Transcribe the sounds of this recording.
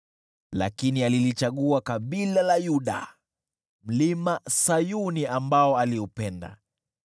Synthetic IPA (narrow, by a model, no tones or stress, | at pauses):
la̰kinialilit͡ʃaɠuakaɓilalajuɗa̰ | m̩limasajuniambaɔaliupɛnda̰